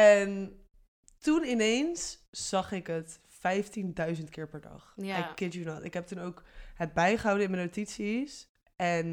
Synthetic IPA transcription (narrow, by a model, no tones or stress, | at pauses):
ɛn | tunɪnejnsz̥ɑχɪkɦət | fɛjftindœɥzəntkɪːɹpɛɹdɑ̰χakɛtjunɔtɪ̰kɦɛp̚tunowkhəd̚bɛjχəɦɑwdəɪnmənotitsis | ʔɛn